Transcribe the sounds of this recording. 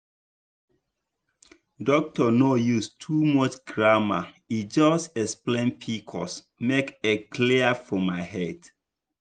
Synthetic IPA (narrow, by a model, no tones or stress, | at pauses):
dɔk̚tɔnojustʰumɔt͡ʃɡɹama̰ | id͡ʒɔstɛksplẽnpʰikʰɔ̰s | mekekʰliafɔmaɪɦɛd